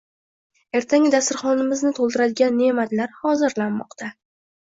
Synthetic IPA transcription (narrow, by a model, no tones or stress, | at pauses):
e̞ɾt̪ʰaŋʲɪd̪asɪɾχɒnɪmɪznɪt̪ʰolˠd̪ɪɾad̪ɪɡʲanːe̞mat̪laɾhɒzɪɾlanmɒ̰qt̪ʰa